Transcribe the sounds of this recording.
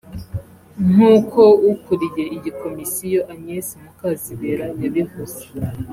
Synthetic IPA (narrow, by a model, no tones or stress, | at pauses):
n̥uːkʰo̞ukuɾijeiɟikʰo̞misijo̞ʔaɲesimukaziβeɾajaβihoze̥